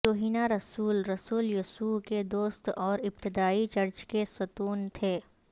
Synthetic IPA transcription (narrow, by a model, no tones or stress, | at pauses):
oːɦiːnaɾɐsuːlɾɐsuːljʊsuːked̪oːst̪ɔːɾɪb̚t̪ɪd̪aːit͡ʃɐɾt͡ʃkesʊt̪uːnt̪ʰeː